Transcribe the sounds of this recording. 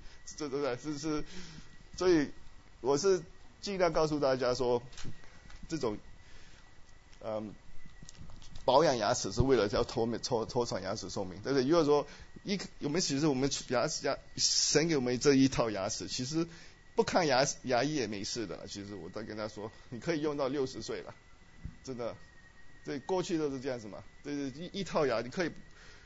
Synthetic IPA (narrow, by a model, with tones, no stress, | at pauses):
t̪e˥˧t̪o˥t̪e˥˧ɪʂ̩˥˧ʂ̩˥˩ | swɔ˧˥i˧˥ | wɔ˨˩ʂɻ̩˥˧t͡ɕi˥˧˥ja˥˧kɑ˥˧ʊs̬u˥˧t̪a˥˩t͡ɕja˥ʂwɔ˥ | ʈ͡ʂɤ˥˩ʈ͡ʂʊ˨˩ŋ | ə˧m | pɑ˧˥ʊjɑ˨˩ŋja̰˧˥t͡sʰɹ̩˨˩ʂɻ̩˥˧we˥˩ɪlə˩jɑ˥˩ʊt̪ʰo˧˥ʊm˧˥t͡sʰo˥t̪ʰo˥ʊʈ͡ʂʰɑ˨˩ŋja̰˧˥sʰɹ̩˨˩ʂo˥˩ʊmi˧˥ŋt̪a˥˧nʂɻ̩˥˩y˧˥jo˨˩ʂwɔ˥i˥˩kʰmə˦nt͡ɕʰi˧˥ʂ̬ɻ̩˥˩wɔ˨˩mə˦nʰ˨˩ja˧˥˩ja˧˥ʂə˧˥nke˧˥ɪwɔ˨˩mə˦ʈ͡ʂɤ˥˧˩i˥˩t̪ʰɑ˥˩ʊja˧˥t͡sʰɹ̩˨˩t͡ɕʰi˧˥ʂ̬ɻ̩˧˥ | pu˥˧kʰa˥˩nja˧˥˨ja˧˥i˥˩jɛ˨˩me˧˥ɪʂɻ̩˥˩d̪ə̰˩lə̰˩t͡ɕʰi˧˥ʂɻ̩˧˥wɔ̰˨˩t̪kə˥nt͡ɕa˥ʂwɔ˥ni˨˩kʰɤ˧˥i˨˩jʊ˥˧ŋt̪ɑ˥˧ʊljo˥˩ʊʂɻ̩˧˥swe˥˩ɪlə̰˩ | ʈ͡ʂə˥nd̪ə˨ | ʈ͡ʂə˥˩kwɔ˥˧t͡ɕʰy˥˧˥ʂ̩˥˧ʈ͡ʂjɑ˥˩ŋd͡zɹ̩˨˩mɐ̰˩ʈ͡ʂɤ˥˧ʂɻ̩˥˧i˥˧i˥˧t̪ʰɑ˥˩ʊja˧˥ni˨˩kʰɤ˧˥i˨˩